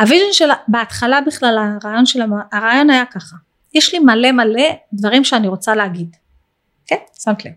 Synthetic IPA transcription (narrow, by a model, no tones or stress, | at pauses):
aviʒonʃelabeat̪χalabiχlalaʁaːjo̞nʃelamaaʁaːjo̞najakaχa | jeʃlimale̞male̞dvaʁimʃeaniʁo̞t͡saleaɡid | kensamt̪lev